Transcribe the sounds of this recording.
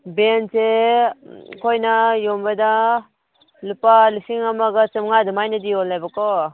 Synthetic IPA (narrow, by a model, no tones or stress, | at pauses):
bense | kʰojnajɔmbada | lupalisiŋamaɡɯt͡ʃɯmŋadɯmajnadiɔlːajbakɔ